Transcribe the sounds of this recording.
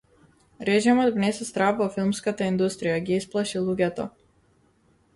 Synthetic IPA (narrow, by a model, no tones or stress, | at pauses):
ɾɛʒimɔd̪vnɛsɛst̪ɾavvɔfilˠmskat̪aind̪ust̪ɾijaɡiisplˠaʃilˠuɡʲɛt̪ɔ